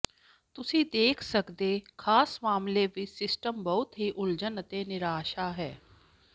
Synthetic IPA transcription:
t̪ʊsĩːd̪eːkʰsəkd̪eːkʰaːsmaːmleːʋɪt͡ʃsɪsʈəmbəʊt̪ɦiːʔʊld͡ʒənət̪eːnɪɾaːʃaːɦɛː

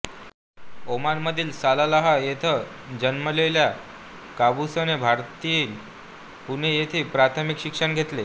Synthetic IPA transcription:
omaɾməd̪ʱiːlsalalaɦajet̪ʰə | d͡ʑənməlelja | kabusənebʱaɾt̪iin | punejet̪ʰeːpɾat̪ʰəmikɕikʂəɳɡʱet̪le

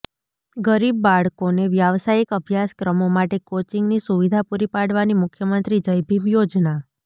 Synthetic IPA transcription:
ɡəɾibːaɭkoneʋjaʋsajikəbʱjaskɾəmomaʈekot͡ʃiŋɡnisuʋid̪ʱapuɾipaɽʋanimʊkʰjəmənt̪ɾid͡ʒəjbʱibjod͡ʒna

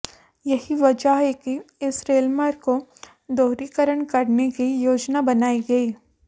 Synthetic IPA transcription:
jɐɦiʋɐd͡ʒaɦɛkiɪsɾeːlməɾko | d̪oːɾikəɾəɳkɐɾnekijoːd͡ʒnabɐnaːiɡɐiː

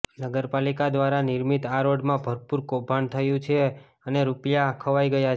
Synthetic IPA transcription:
nəɡəɾpalikad̪ʋaɾaniɾmit̪aɾoɖmãbʱəɾpuɾkobʱant̪ʰəjũt͡ʃʰe | əneɾupjakʰəʋajɡəja

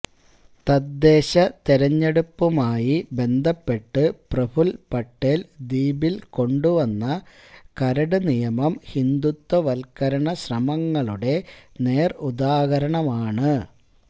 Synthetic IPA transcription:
t̪ɐd̪ːe̞ːɕɐt̪iɾɐɲːe̞ɽupːumaːjibe̞nd̪ʱɐpːe̞ʈːɨprɐbʰʱulpɐʈːeːld̪iːbilko̞ɳɖuʋɐnːɐ | kɐɾɐɽɨnijɐmɐmhind̪ut̪ːwɐʋɐlkɐɾɐɳɐɕrɐmɐŋːɐɭuɽe̞ne̞ːrud̪aːɣɐɾɐɳɐmaːɳɨ

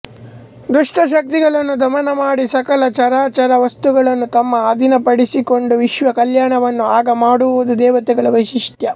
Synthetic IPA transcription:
d̪ɾuʂʈʰɐʃ̬ɐk̚t̪iɡɐɭɐnːud̪ʱɐmɐnɐmaːɽisɐkɐlɐt͡ʃɐɾaːt͡ʃɐɾɐʋɐst̪uɡɐɭɐnːut̪ɐmːɐːd̪ʱinɐpɐɽisiko̞ɳɖuʋiʃʋɐkɐljaːɳɐʋɐnːuaːɡɐmaːɽuud̪ud̪ɛːʋɐt̪ɛɡɐɭɐʋɐʃiʂt̪jɐ

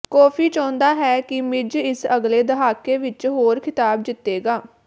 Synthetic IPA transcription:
kɔːpʰiːt͡ʃɔ̃ːnd̪aːɦɛːkɪmɪd͡ʒɪsəɡleːd̪əɦaːkeːʋɪt͡ʃɦoːɾkʰɪt̪aːb̚d͡ʒ̪ɪt̪ːeːɡaː

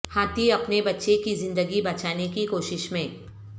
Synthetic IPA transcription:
haːt̪iɐpnebɐtːʃekizɪ̃nd̪əɡibɐt͡ʃaːnekikoːʃɪʃmẽː

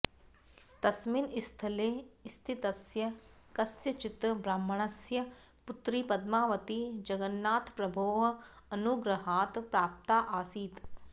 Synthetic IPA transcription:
t̪ɐsmiːnɪst̪ʰəleːɪst̪ʰɪt̪əsjə | kəsjət͡ʃɪt̪bɾaːmːəɳ̃əsjə | pʊt̪ɾiːpəd̪maːʋət̪iːd͡ʒəɡənːaːt̪pɾəboːɦ | ənʊɡɾəɦaːt̪pɾaːp̚t̪aːʔaːsiːt̪

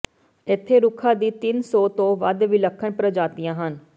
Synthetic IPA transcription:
ɪt̪ʰːeːɾʊkʰaːd̪iːt̪ɪnsɔːt̪õːʋəd̪ʋiləkʰːəɳpɾəd͡ʒaːt̪ijãːɦən

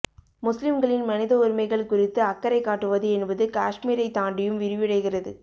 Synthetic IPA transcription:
mʊslɪmɡɐɭɪnmɐnɪðɐʊɾɪmɐɪɣɐɭkʊrɪt̪ːɯɐkːɐɾɐɪkːaːʈːɯʋɐðɯɛnbɐðɯkaːʂmiːɾɐɪt̪ːaːɳɖɪjɯmʋɪɾɯʋɪɽɐɪɣɪrɐðɯ

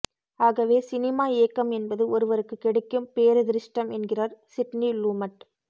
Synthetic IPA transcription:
aːɣɐʋeːsɪnɪmaːeːkːɐmɛnbɐðɯɔɾɯʋɐɾɯkːɯkːɛɽɛkːɯmpeːɾɯðɪɾɪʂʈɐmɛnɡɪrɐɾsɪʈniluːmɐʈ̚

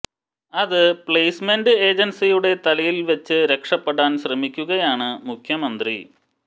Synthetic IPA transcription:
ɐðɨpɭejsmenɖɨeːd͡ʑɐnsijuɽe̞t̪ɐlɐjilʋɐt͡ɕːɨɾe̞kʂɐpːeɽaːnɕrɐmikʲːuɣɐjaːɳɨmukʰjɐmɐnd̪rḭ

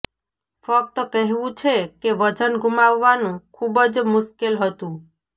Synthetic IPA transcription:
fək̚t̪əkəɦʋũt͡ʃʰekeʋəd͡ʒənɡumaʋːanũkʰubəd͡ʒmʊʃkelɦət̪ũ

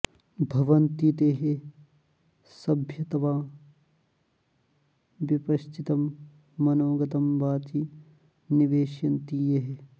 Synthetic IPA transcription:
bʱɐʋɐnt̪it̪eːɦe | sɐbʱjɐt̪ɐʋaː | ʋipɐʃt̪ʰit̪ɐmː | ɐnoːɡɐt̪ɐmʋaːt̪i | niʋeːʃjɐnt̪iːjɐɦe

